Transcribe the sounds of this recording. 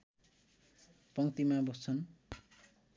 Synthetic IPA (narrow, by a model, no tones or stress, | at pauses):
pʌŋt̪imabʌst͡sʰʌn